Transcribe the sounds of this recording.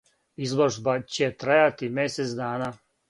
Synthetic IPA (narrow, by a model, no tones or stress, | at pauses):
izloʒbat͡ɕet̪ɾajat̪imjeset̪sd̪aːnaː